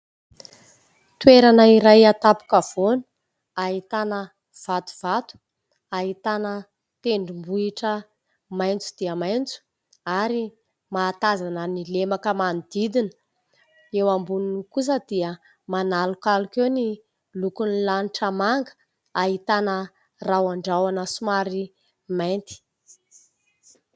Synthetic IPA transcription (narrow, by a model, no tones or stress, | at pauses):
t̪weɾanəiɾajat̪apu̥kav̥on | aɦit̪anə | v̥at̪u̥v̥at̪u̥ | aɦit̪anə | t̪eɳɖ͡ʐimbuiʈ͡ʂə | majnt͡su̥d̪̥iəmajnt͡su̥ | aɾi | maːt̪azanənilemakəmanid̪id̪inə̥ | ewambununikus̬əd̪̥iə | manalukalukewni | lukunilaniʈ͡ʂəmaŋɡə̥ | aɦit̪anə | rawaɳɖ͡ʐawanəsumaɾi | majnt̪i̥